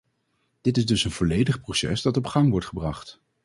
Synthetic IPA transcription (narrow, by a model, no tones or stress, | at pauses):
d̥ɪtɪzdɵsənvɔlejdəχprosɛ̰sdɑtɔpχɑŋʋɔɹtχəbrɑχt